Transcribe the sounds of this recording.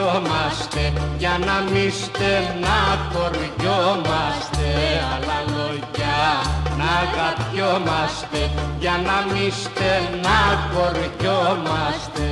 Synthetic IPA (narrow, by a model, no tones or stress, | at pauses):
omast̪ejanamist̪enakorjomast̪ealalo | janakat̪jomast̪ejanamist̪enakorjomast̪e